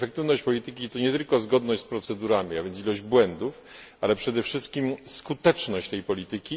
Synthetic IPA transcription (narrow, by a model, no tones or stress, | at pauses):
fɛkt̪ɘvnɔɕt͡ɕpɔlʲit̪ɘkʲit̪ɔɲɛt̪ɘlkɔzɡɔd̪nɔɕt͡ɕspɾɔt̪sɛd̪uɾamʲiavjɛnsilɔʑd͡ʑbwɛnd̪uf | alɛpʂɛd̪ɛfʂɘst̪̚kʲimskut̪ɛt͡ʂnɔɕt͡ɕt̪ɛjpɔlʲit̪ɘkʲi